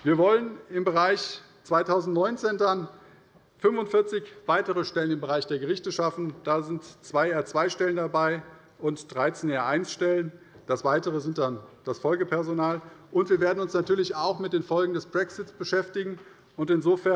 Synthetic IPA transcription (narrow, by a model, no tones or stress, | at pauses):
viːɐvɔlənɪmbəʁaɪç | t͡sv̥aɪtʰaʊzn̩tnɔʏnt͡seːndan | fʏnvʊntfɪɐt͡sɪçv̥aɪtəʁəʃtɛlənɪmbəʁaɪçd̥eːɐɡəʁɪçtəʃafn̩d̥aːzɪntt͡sv̥aɪɛːɐt͡sv̥aɪʃtɛləndabaɪ | ʔʊntd̥ʁaɪt͡seːnaːɐʔaɪnsʃtɛlən | d̥asv̥aɪtəʁəzɪnt̚d̥and̥asfɔlɡəpʰɛɐzonaːlʔʊntv̥iːɐveːɐdn̩ʊnsnatʰyːɐlɪçaʊxmɪt̚d̥eːnfɔlɡŋ̩dɛsb̥ʁɛksɪtsb̥əʃɛftɪɡŋ̩ | ʔʊntɪnzoːfɛɐ